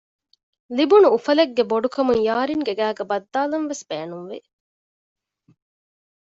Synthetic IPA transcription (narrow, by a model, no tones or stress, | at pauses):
libunuːfɐleɡːeboɖukɐmuŋjaːɾiŋɡeɡæːɡɐbɐd̪ːaːlɐnʋesb̥eːnunʋḛ